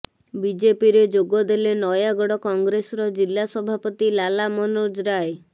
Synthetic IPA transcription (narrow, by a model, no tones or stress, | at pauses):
bid͡ʒepiɾed͡ʒoɡɔd̪elenɔjaɡɔɽɔkɔŋɡɾesɔɾɔd͡ʒilːasɔbʱapɔt̪ilalamɔnod͡ʒɾaj